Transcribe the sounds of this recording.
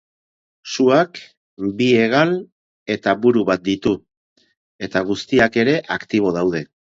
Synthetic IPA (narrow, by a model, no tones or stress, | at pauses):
suak | bie̞ɣal | e̞t̪aβuɾuβat̪̚d̪it̪u | e̞t̪aɣ̞ust̪iake̞ɾe̞ʔakt̪iβ̞o̞ðawð̞e̞